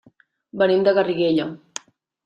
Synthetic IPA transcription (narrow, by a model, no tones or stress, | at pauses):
bənimd̪əɣəriɣeʎa